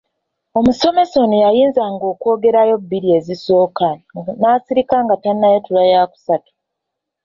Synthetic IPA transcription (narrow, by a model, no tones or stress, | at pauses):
o̞muso̞me̞so̞nijajiːnzaŋɡo̞ːko̞ːɡe̞ɾajo̞bːiɾie̞ziso̞ːkanaːsiɾikaŋɡatannːajetulajaːku̥satu̥